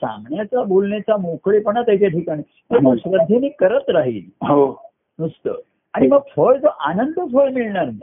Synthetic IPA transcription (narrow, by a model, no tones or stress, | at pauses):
sã̰ŋɡɳjat͡ɕabolɳet͡ɕamõkʰɭipəɳnat̪əit͡ɕaʈʰikañi | t̪eməɡɕɾəd̪ʱːenikəɾət̪ɾaɦḭːlɦo | nust̪ə̰ | aɽ̃iməɡfoɭt̪oʔanənd̪əfoɭmiɭɳaɾni